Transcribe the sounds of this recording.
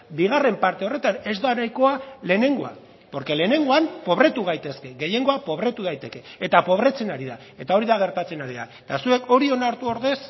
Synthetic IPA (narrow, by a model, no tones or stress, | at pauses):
biɣ̞are̞mpaɾt̪e̞o̞re̞t̪ane̞zd̪anajko̞ale̞ne̞ŋɡo̞a̰ | po̞ɾke̞le̞ːne̞ŋɡo̞ampo̞βɾe̞t̪uɣ̞ajt̪e̞ske̞ɣe̞je̞ŋɡo̞apo̞β̞ɾe̞t̪uð̞ajt̪e̞ke̞ːt̪apo̞β̞ɾe̞t͡se̞naɾiða | e̞t̪ao̞ɾiðaɣ̞e̞ɾt̪at͡se̞naɾiða̰et̪asue̞kʰo̞ɾio̞naɾt̪uo̞ɾðe̞s